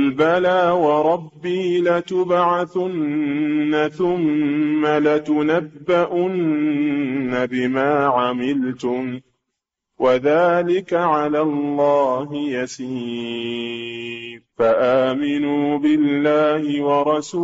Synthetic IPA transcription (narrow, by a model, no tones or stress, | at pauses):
ʔlbalaːwɑɾˤɑbːiːlat̪ʊbʕaθʊnː | aθʊmːalat̪ʊnabːaʔʊnː | abɪmaːʕamɪlt̪ʊm | wʔaðaːlɪkaʕalaːlˤːɑːɦɪjasiː | faʔaːmɪnuːbɪllːaːhɪwɑɾˤɑsuː